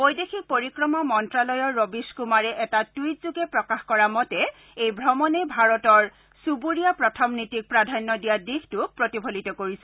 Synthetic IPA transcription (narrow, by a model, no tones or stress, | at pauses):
bojdexʰik̚poɹikɹɔmɔmɔntɹalɔjɔɹːobiskumaɹɛʔɛtatwitzuɡɛpɹɔkaxkɔɹamɔtɛ | ejbʱɹɔmɔnɛbʱaɹɔtɔɹ | subuɹijapɹɔtʰɔmnitik̚pɹadʱanːɔdijadixtuk̚pɹotibʱolitɔkoɹisɛ